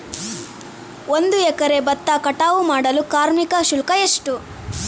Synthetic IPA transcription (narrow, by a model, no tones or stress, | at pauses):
ond̪uɛkɐɾe̞bɐt̪ːɐkɐʈaːʋumaːɽɐlukaːɾmikɐʃulkɐeʂʈu